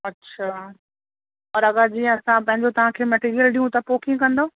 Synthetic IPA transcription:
ɐtːɕʰaː | ɔːɾɐɠad͡ʑiːɛ̃ɐsãpɐ̃ɦɪ̃ɲd͡ʑot̪ɐʋ̤ãkʰeːmɐʈiːɾijəlɗĩːũt̪ɐpoːkɪ̃ŋkɐ̃nd̪oː

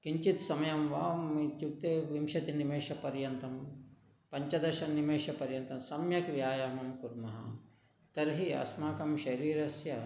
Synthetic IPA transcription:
kiɲt͡ʃit̪sɐmɐjɐmʋaːmːit͡ʃjuk̚t̪eːʋimʃɐt̪inimeːʃɐpɐɾjɐnt̪ɐm | pɐɲt͡ʃɐd̪ɐɾʃɐnnimeːʃɐpɐɾjɐnt̪ɐmsɐmjɐkʋjaːjɐmɐmkuɾmɐɦɐ̰ | t̪ɐɾɦiɐ̰smaːkɐmʃɐɾiːɾɐsjɐ

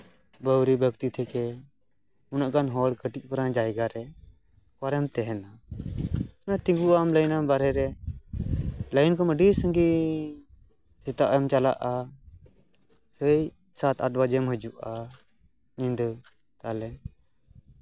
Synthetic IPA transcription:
bəwɾibʱəkt̪it̪ʰɛkɛ | unaʔkanɦɔɽkəʈic̚ˀpəɾãd͡ʒajɡaɾɛ | kaɾɛmt̪ɛɦɛna | nat̪ĩŋɡuʔamləjnambaɾɛɾɛ | ləjnkɔməɖisəŋɡi | sit̪aʔɛmt͡ʃala̰ʔa | səj | sat̪aʈbad͡ʒɛmɦəd͡ʒuʔa | nĩnd̪ | t̪alɛ

